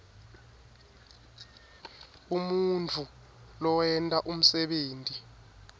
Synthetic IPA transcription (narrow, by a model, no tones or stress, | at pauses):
umunt͡fʰu | lɔwɛntʼaʔum̩sɛɓeːntʼi